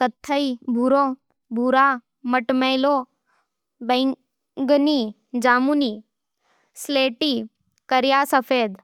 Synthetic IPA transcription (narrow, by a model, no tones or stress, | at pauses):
kət̪ʰːəibʱuɾõ | bʱuːɾaː | məʈməjlo | be | ɡniː | d͡ʒaːmuniː | sleːʈiː | kəɾjaːsəfʰeːd̪